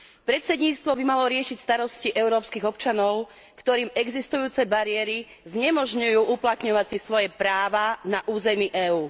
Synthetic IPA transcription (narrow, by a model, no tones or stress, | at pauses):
pɾɛt̪sɛd̪ɲiːt͡st̪ʋɔbimalɔɾɪɛʃicst̪aɾɔsciʔɛʊɾɔːpskiɣɔpt͡ʃanɔʊ | kt̪ɔɾiːmɛɡzist̪ujuːt͡sɛbaɾiɛɾi | zɲɛmɔʒɲujuːʔuplat̪ɲɔʋat͡sisʋɔjɛpɾaːʋanaʔuːzɛmiːʔɛːuː